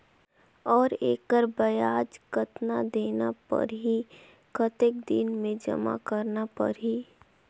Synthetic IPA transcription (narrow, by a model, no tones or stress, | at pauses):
ɔːɾeːkəɾbəjaːd͡ʒkət̪nad̪eːnapə̰ɾɦi | kət̪ek̚d̪inmẽd͡ʒɐ̰ma̰kəɾnapə̰ɾɦi